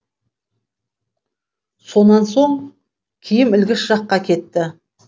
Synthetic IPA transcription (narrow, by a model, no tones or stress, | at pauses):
so̞nɑnso̞ɴ | kʲʰijɪmɪlɡʲɪʃʒ̥ɑqːɑkʲʰe̞t̪ːɪ